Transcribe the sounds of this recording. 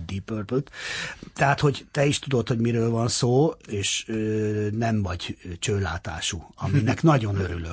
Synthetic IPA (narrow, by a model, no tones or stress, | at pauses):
d̪ipørp̪øt̪t̪ɛɦaːt̪ho̞ɟt̪ɛiʃt̪ud̪o̞t̪ho̞ɟmiɾøːlvɒnsoːeːʃønɛmvɒɟt͡ʃøːlaːt̪a̰ːʃuɒminɛknɒɟo̞nøɾylø